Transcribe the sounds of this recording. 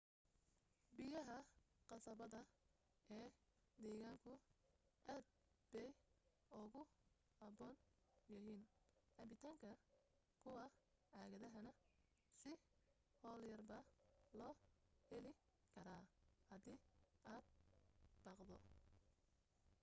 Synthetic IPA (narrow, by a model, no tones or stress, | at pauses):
bɪjɐɦɐqɑsɐβɐðɐ | ɛːd̪ɛːɣaːŋkʰʊʔaːd̪̚ | bɛj | ʊɣʊ | ɐbɔːn | jɐɦiːnʔɐbɪt̪ʰaːŋkʰɐ | kʰʊwɑ | ʕɑːɣɐðɐɦɐnɐ | sɪ | hɔːljɐrbɐlɔːhɛlɪ | kʰɐɾaːhɐd̪iːaːd̪̚b̥ɑqd̪ɔ̰